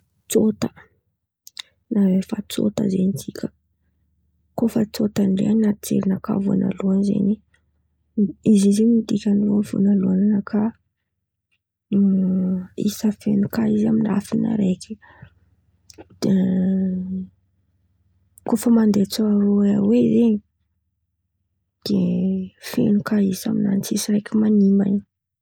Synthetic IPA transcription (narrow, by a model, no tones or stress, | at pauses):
t͡sot̪ə̥ | nawefat͡so̰t̪ə̰zenit͡sikʲʰə̥ | kofət͡sot̪aɳɖ͡ʐḛannat͡sḛɾinaka̰vua̰nʔa̰luanzḛni | izizimiid̪ikʲanofṵnaluananəkʰa | ḭsəfenukaizamina̰fina̰ɾekʰʲi̥ | d̪̥e | kofəmand̪et͡soaɾoeawezeɲi | d̪̥efḛnukaisamina̰nt͡sisiɾejkʲimanimba̰ni̥